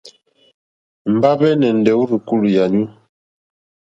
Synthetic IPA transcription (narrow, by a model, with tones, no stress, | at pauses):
m̩˨ba˦bɛ˦nɛ˨n˨dɛ˨˦wu˦ɾi˨ku˦lja˨ɲu˦